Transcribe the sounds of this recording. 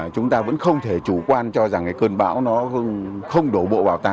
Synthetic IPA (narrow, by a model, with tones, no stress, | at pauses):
t͡ɕʊ˨˦ŋ͡mt̪aː˧və̰˧˥nxə˧wŋ͡mt̪ʰe˧˩t͡ɕu˧˩kwaː˧nt͡ɕɔ˧za˨˩ŋʔkəː˧nɓa̰ː˧˥wnɔ˨˦˧xə˧wŋ͡mɗo˧˩ɓo̰˧˨vaː˨˩wt̪a̰˧